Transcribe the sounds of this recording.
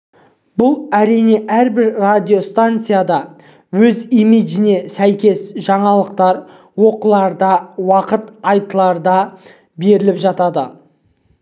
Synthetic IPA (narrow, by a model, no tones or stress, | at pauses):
bʊlˠæɾijne̞ʔæɾbɪɾrad̪ʲijo̞st̪ant̪sɨjad̪ɑ | wɵzimid̪ʒɪne̞sæjkʲe̞sʒɑɴɑlˠəqt̪ɑɾ | wo̞qəlˠɑɾd̪ɑwɑqət̪ɑjt̪əlˠɑɾd̪ɑ | be̞ɾɪlɪpʒɑt̪ɑd̪ə